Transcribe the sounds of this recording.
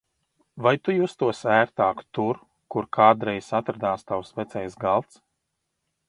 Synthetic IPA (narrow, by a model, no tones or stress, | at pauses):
vajt̪ujust̪uɔsæːɾt̪aːkt̪uɾ | kuɾkʰaːd̪ɾɛjsat̪ɾad̪aːst̪awsvɛt̪sɛjsɡalˠt̪s